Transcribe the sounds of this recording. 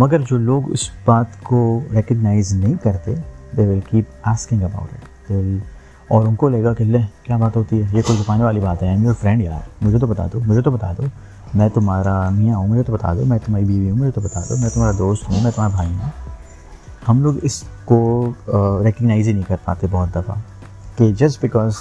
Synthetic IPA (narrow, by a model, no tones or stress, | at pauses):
mɐɡəɾd͡ʒoːloːɡʊ̰sbaːt̪koɾɛkəɡnaːɪznɐɦĩkɐɾt̪ed̪eːʋɪlkiːpaːskɪ̃ŋɡəba̰ʊʈɪ̰ʈ | d̪eːʋɪl | ɔːɾʊnkoleːɡakelekjaːbaːt̪ɦoːt̪iɦɛjekoid̪ʊpaːneʋaːlibaːt̪ɦɛmioɾfɾɛ̃ɳɖja̰ːɛ̰mʊd͡ʒʱet̪̬obɐt̪a̰ːd̪omʊd͡ʒʱet̪obɐt̪a̰ːd̪oː | mɛ̃ːt̪ʊmɦaːɾanɐɦĩãːɦũmʊd͡ʒʱet̪obɐt̪a̰ːd̪omɛ̃t̪ʊmɦaːɾibiːʋiɦũmʊd͡ʒʱet̪obɐt̪a̰ːd̪o̰ːmɛ̃t̪ʊmaːɾad̪oːsʈ̪ɦũmɛ̃t̪ʊm̤aːɾabʱaːiɦũː | hɐmloːɡɪsko | ɾɛkəɡnaːɪzinɐɦĩkɐɾpa̰ːt̪ebɔːt̪̚d̪ɐfa̰ | ked͡ʒɐsbɪkɔːz